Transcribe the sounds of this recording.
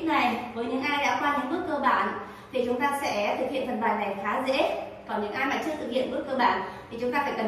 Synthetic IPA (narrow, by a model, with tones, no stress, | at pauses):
ŋa˨˩jvəː˨˦jɲɨ̰˧˥ŋʔaː˧jɗa̰ː˧˥kwaː˧ɲɨ̰˧˥ŋmɨ˦˥ət̚k̚kəː˧ɓa̰ː˧˨n | t̪ʰi˨˩t͡ɕʊ˨˦ŋ͡mt̪aː˧sɛ̰˧˥t̪ʰɨ˨˩k̚hḭ˧˨ənt̪ʰə˨˩n̚ɓaː˨˩jɗa˨˩jxaː˨˦zḛ˧˥ | kɔ˨˦nɲɨ̰˧˥ŋʔaː˧jmaː˨˩t͡ɕɨ˦˥ək̚t̪ʰɨ˨˩k̚hḭ˧˨ənmɨ˦˥ət̚kːəː˧ɓa̰ː˧˨nt̪ʰi˨˩t͡ɕʊ˨˦ŋ͡mt̪aː˧faː˧˥jkə˨˩